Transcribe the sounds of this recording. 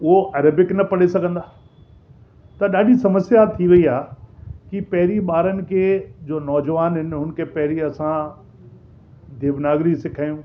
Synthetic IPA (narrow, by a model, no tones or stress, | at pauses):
ʊɦoʔɐːɾəbɪknɐpɐɽesɐɡʱə̃nd̪aː | t̪ɐɗaːɗisɐməsjat̪ʰiʋɐiaːkipɐɦɪɾiɓaːɾənɪ̆kʰeːd͡ʑoːnɔːd͡ʑʋaːnɦɪnɪɦʊnkʰepɐɦɪɾiɐsã | d̪ʱeːʋnaːɡɾisɪkʰaːjũː